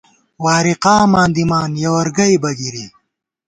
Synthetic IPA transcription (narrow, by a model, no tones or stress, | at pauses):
waːɾiqaːmãːnd̪imaːnjɐwɐɾɡɐjbɐɡiɾi